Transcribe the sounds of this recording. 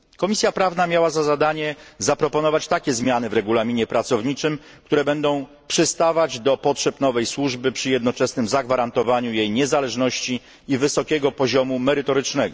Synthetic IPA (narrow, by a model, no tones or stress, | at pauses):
kɔmʲisʲjapɾavnamʲjawazazad̪aɲɛzapɾɔpɔnɔvat͡ɕt̪akʲɛzmʲjanɘvɾɛɡulamʲiɲɛpɾat̪sɔvɲit͡ʂɘm | k̚t̪uɾɛbɛnd̪ɔ̃w̃ | pʂɘst̪avad͡ʑd̪ɔpɔtʂɛpnɔvɛjswuʐbɘpʂɘjɛd̪̚nɔt͡ʂɛsnɘmzaɡvaɾant̪ɔvaɲujejɲɛzalɛʐnɔɕt͡ɕiː | vɘsɔkʲɛɡɔpɔʑɔmumɛɾɘt̪ɔɾɘt͡ʂnɛɡɔ